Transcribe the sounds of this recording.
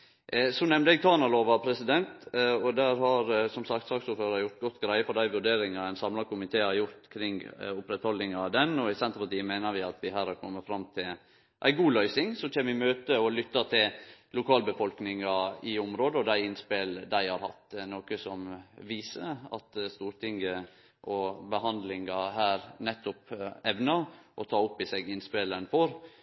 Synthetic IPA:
ʔsɔnɛmd̪əɛɡ̚t̪ʰɑːnɑloːʋɑpʰɾɛsɪd̪ɛnt̪ɔd̪æɾhɑɾsɔmsɑk̚t̪sɑːksuːɾføːɾɑɾjʊɾt̪̚ɡɔt̪ːɡɾæɪəfɔɾd̪æɪʋʉɖeːɾɪŋɑæɪnsɑmlɑkʰʊmɪt̪ʰeːɑjʊɾt̪kʰɾɪŋʊpɾɛt̪hɔlːɪŋɑd̪ɛnɔɪsɛnt̪əɾpɑʈ̪iːəmæɪnəɾʋɪɑt̪ʋɪɦæːɾhæɾkʰɔ̰mːəfɾɑmt̪ʰɪl | ʔæ̰ɪɡuːlœʏsɪŋsɔt͡ʃɛːmɪmøːt̪əɔlʏt̪ːɑt̪ʰɪllʊkʰɑːlbəfɔlknɪŋɑɪʊmɾoːd̪əɔd̪æɪɪnspeːld̪æɪhɑɾhɑ̰t̪ːnoːkəsɔmʋiːsəɑ̰t̪st̪uːɾt̪ʰɪŋɡə | ʔɔbəɦɑnd̪lɪŋɑhæːɾnɛt̪ʰːʊpɛʋnɑʔɔt̪ʰɑːʊpːɪseːɡɪnspelənfɔɾ

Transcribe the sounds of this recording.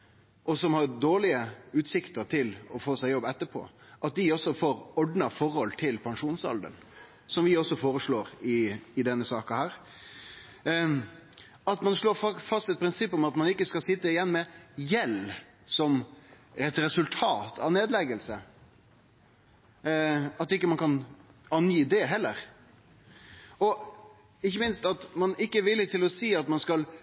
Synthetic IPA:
ʔɔsɔmhɑɾd̪oːɭɪəʉːt̪sɪkt̪əɾt̪ʰɪlɔfoːsæɪjɔbːɛt̪ːəɾpʰo̰ːʔɑt̪̚d̪ɪɔsːɔfoːɾɔɖnɑfɔɾhɔlt̪ʰɪlpʰɑŋʂuːnsɑ̰ld̪ə̰n | sɔmʋɪɔsɔfoːɾəʂɭoːɾɪɪd̪ɛnːəsɑːkɑhæːɾ | ɑt̪mɑnʂɭoːɾfɑst̪ɛt̪̚pɾɪnsɪpːɔmɑt̪mɑnɪkːəskɑlsɪt̪ːəɪjɛnːmɛjɛl | sɔm | ɛt̪ɾɛsʉlt̪ʰɑːt̪ʰɑ̰neːd̪lɛɡəlsə | ɑt̪ːɪkːəmɑnkɑnɑnjid̪eːɦɛlːəɾ | ɔ | ɪçːəmɪnst̪ɑt̪mɑnɪkːəɾʋɪlːət̪ʰɪlɔsiːɑt̪mɑnskɑl

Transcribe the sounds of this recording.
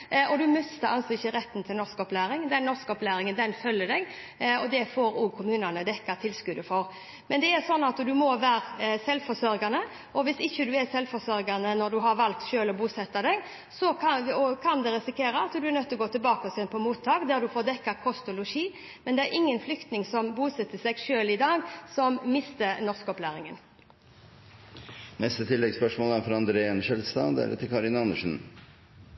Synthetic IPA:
ɔd̪ʉmœst̪əɑnsɔɪçːəɾɛt̪ːn̩t̪ʰɪlnɔskɔplæːɾɪŋd̪ɛnːɔskɔplæːɾɪŋənd̪ɛnfœlːəd̪ɛɡ | ɔd̪ɛfoːɾukʰʊmʉːnənəd̪ɛkːɑt̪ʰɪlskʉd̪əfɔɾ | mɛnd̪ɛɛɾsɔnːɑt̪d̪ʉmɔʋæːɾsɛlfɔsœɾɡɑnə | ʔɔʋɪsɪçːəd̪ʉɛsɛlfɔsœɾɡɑnənɔd̪ʉɦɑɾʋɑlk̚t̪ʃøːlɔbuːsɛt̪ːɑd̪ɛɡ | sɔɔkʰɑnd̪ɛɾɪsɪkʰeːɾəɑt̪d̪ʉæɾnœt̪ːɔɡoːt̪ɪlbɑːkɔsɛnpʰɔmuːt̪ʰːɑːkd̪æʁd̪ʉfoːɾd̪ɛkːɑkʰɔst̪ʊlʊʃiː | mɛnd̪ɛæɾʔɪŋːənflʏkt̪nɪŋsɔmbuːsɛt̪ːəsɛɡʃøːlɪd̪ɑːɡsɔmmɪst̪ənɔʁskɔplæːɾɪŋən | nɛst̪ət̪ʰɪlːɛɡspœʂmoːləæɾfɾɑɑnd̪ɾeənʃɛlst̪ɑ̰d̪æ̰ɾɛ̰t̪ʰɪkʰɑɾɪnɑnːəʂn̩

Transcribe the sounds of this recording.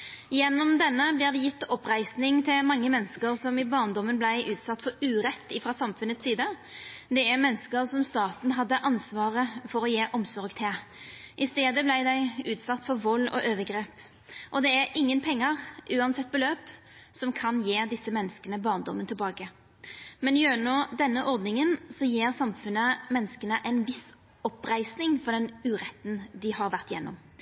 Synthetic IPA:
jɛnːɔmd̪ɛnːəbliːʁd̪ɛjɪt̪ːɔpʁæɪsnɪŋt̪ʰɪlmɑŋːəmɛnskəɾsɔmɪbɑʁnd̪ɔmːənblæɪʔʉːt̪sɑt̪ːfɔɾʉːɾɛt̪ːɪfɾɑːsɑmfʉnət̪siːd̪əd̪ɛæʁmɛnskəɾsɔmst̪ɑːt̪n̩ɦɑd̪ːəʔɑnsʋɑːʁəfɔɾɔjeːʔɔmsɔɾɡt̪ʰeːʔɪst̪eːd̪əblæɪd̪æɪʉːt̪sɑt̪ːfɔɾʋɔlːɔ̰ʔøːʋəɡʁeːp | ʔɔd̪ɛæɾɪŋːənpʰɛŋːəʁʔʉːɑnsɛt̪̚ːbəløːp | sɔmkʰɑnjeːd̪ɪsːəmɛnːəskənəbɑːʁnd̪ɔmːənt̪ʰɪlbɑːkə | mɛnjøːnoːd̪ɛnːəʔɔʁd̪nɪŋənsɔjeːʁsɑmfʉnəmɛnːəskənəʔæɪnʋɪs | ɔpɾæɪsnɪŋfɔd̪ɛnʉːʁɛt̪ːn̩d̪ɪhɑʁʋæʁt̪jɛnːɔ̰m

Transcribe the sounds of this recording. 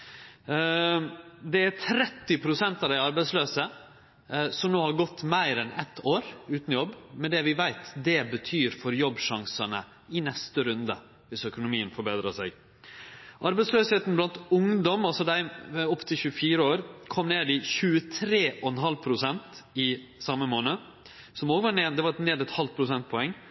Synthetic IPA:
d̪ɛæɾt̪ʰɾɛt̪ːɪpʰɾʊsɛnt̪ɑʋd̪æɪɑɾbæɪsløːsə | sɔmnoːhɑɾɡɔt̪ːmæɪɾɛnɛ̰t̪ʰːoːɾʉːt̪n̩ɔjɔbːmɛnd̪ɛʋɪʋæɪt̪d̪ɛbət̪ʰyːɾfɔɾjɔbːʂɑŋsənə̰ | ɪnɛst̪əɾʉnd̪ə | ʋɪsœkʊnʊmiːənfɔɾbeːd̪ɾɑsæɪɡ | ʔɑɾbæɪtsløːsheːt̪n̩blɑnt̪ʊŋd̪ɔmɑlsɔd̪æɪɔpːt̪ʰɪlçʉːəfiːɾəoːɾkʰɔmneːd̪ɪçʉːət̪ʰɾeːʔɔɛnɦɑlːpʰɾʊsɛnt̪ɪ | sɑməmoːnə | sɔmoːɡəʋɑɳeːd̪ɛʋɑɾɛt̪neːd̪ɛt̪hɑlpʰɾʊsɛnt̪̚pʰɔɛŋː

